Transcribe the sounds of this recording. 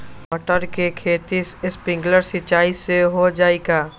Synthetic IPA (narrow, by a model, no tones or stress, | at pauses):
ɔʈəɾkekʰeːt̪isɪspɪ̃ŋɡləɾsɪt͡ʃaːiseɦod͡ʒaːeːɡaː